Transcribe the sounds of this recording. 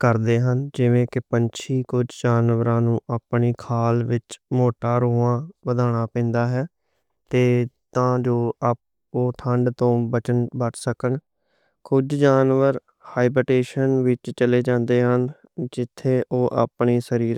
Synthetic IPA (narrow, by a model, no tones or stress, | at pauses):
kəɾd̪eːɦənd͡ʒɪʋẽːkɪpəɲt͡ʃʰiːkʊd͡ʒd͡ʒaːnʋəɾãːnũːʔaːpɳiːkʰaːlʋɪt͡ʃmoːʈaːɾoːãːʋəd̪aːɽ̃aːpɛ̃ːnd̪aːɦɛː | t̪eːt̪ãːd͡ʒoːʔap̚ | oːʈʰəɳɖt̪õːbət͡ʃənbəʈsəkəɳ | kʊd͡ʒd͡ʒaːnʋəɾ | haːɪbɾəʈeːʃənʋɪt͡ʃt͡ʃəleːd͡ʒãːnd̪eːɦən | d͡ʒɪt̪ʰːeːʔoːʔa̰ːpɳiːsəɾiːɾ